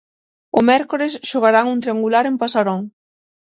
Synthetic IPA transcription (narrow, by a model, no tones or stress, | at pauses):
ʊmɛɾkoɾɪsʃoɣ̞aɾaŋunt̪ɾeaŋɡulaɾempasaɾoŋ